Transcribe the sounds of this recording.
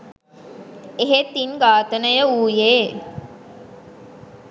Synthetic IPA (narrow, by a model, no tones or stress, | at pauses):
eɦet̪ːinɡaːt̪ənəjəuːjeː